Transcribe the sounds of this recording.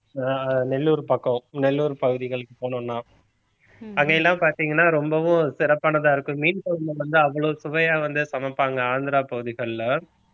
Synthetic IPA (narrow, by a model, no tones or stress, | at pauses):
ɐnɛlːuːɾpɐkːɐ̃nɛlːuːɾpɐɣɯðɪɣɐɭɯkːɯpoːnʊ̃nːãː | ɐŋɡɐɛlːãːpaːɾt̪iːŋɡɐnːaːɾɔmbɐʋʊ̃sɪɾɐpːaːnɐðãːɪɾɯkːɯ̃miːnkɐlɯnɐʋɐnd̪ɯɐʋːɐɭoːsʊʋɐjaːʋɐnd̪ɯsɐmɐpːaːŋɡɐaːnd̪ɪɾaːpɐɣɯðɪɣɐɭːɐ